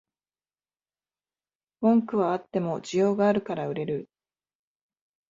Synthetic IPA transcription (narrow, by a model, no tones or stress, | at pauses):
bõ̞ŋkɯ̟βaat̪ːe̞mo̞d͡ʑijo̞ːɡaːɾɯ̟kaɾaɯ̟ɾe̞ɾɯ̟